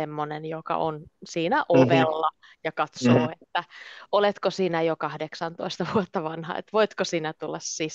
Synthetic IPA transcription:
emːonenjokɑ̰ʔonsiːnæʔoʋelːɑ | jɑkɑt̪soːet̪ːæolet̪kosiːnæjokɑhdeksɑnt̪oist̪ɑʋuot̪ːɑʋɑnhɑ̰ḛt̪ʋoit̪kosiːnæt̪ulːɑssis

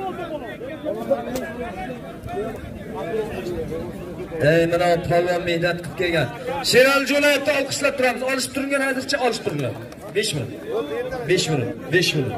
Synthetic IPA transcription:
ejmanap̪ʰavijammːehnat̪̚qʰɨ̥p̚kʲe̞lɡʲanʃeɾalɪd͡ʒolajef̚t̪aɒlˠqʰɨ̥ʃlap̚t̪ʰʊɾamɪzɒlˠɪʃɪ̥pt̪ʰʊɾɪŋɡʲanhazɪɾt͡ʃʰaɒlˠɪʃpt̪ʰʊɾɪŋʲɡʲa̰n | beʃmɪnʊ̰t̪beʃmɪnʊt̪be̞ʃmɪnʊ̰t̪

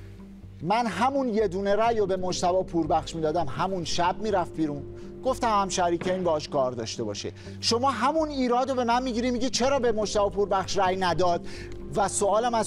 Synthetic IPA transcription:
mænɦæmunje̞d̪uːne̞ɾæjobe̞mod͡ʒt̪ævɒːpʰuːɾbæχʃmiːd̪ɒːd̪æmɦæmunʃæb̚miːɾæfbiːɾun | ɡ̥oft̪æmhæmʃæɾiːcʰeiːnbeɒːʃkɒːɾd̪ɒ̰ːʃt̪e̞bɒ̰ːʃḛ | ʃo̞mɒːɦæmuniːɾɒːd̪obe̞mænmiːɟiːɾiːmiːɟit͡ʃʰe̞ɾɒːbe̞mo̞ʃt̪ævɒːpʰuːɾbæχʃræjnæd̪ɒːd̪ | væsoɒːlæmæz

